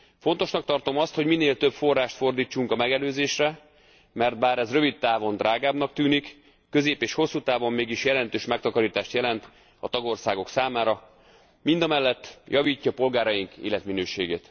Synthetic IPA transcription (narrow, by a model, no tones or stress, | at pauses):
fo̞n̪t̪o̞ʃnɒk̚t̪ɒrt̪o̞mɒst̪ho̞ɟmineːlt̪øpfo̞rːaːʃt̪fo̞rd̪iːt͡ʃːuŋkɒmɛɡɛløːzeːʃrɛ | mɛrt̪̚baːɾɛzrø̞vit̪ːaːvo̞nd̪rʔaːɡaːbnɒk̚t̪yːnikː | ø̞zeːpeːʃho̞sːut̪aːvo̞mːeːɡiʃjɛlɛnt̪øːʃmɛk̚t̪ɒkɒɾiːt̪aːʃt̪jɛlɛnt̪ | ɒ̰t̪ɒɡo̞rsaːɡo̞ksaːmaːɾɒ | mind̪ɒmɛlːɛt̪ːjʔɒviːcːɒpo̞lɡaːɾɒjiŋkḛːlɛt̪minøːʃeːɡḛːt̪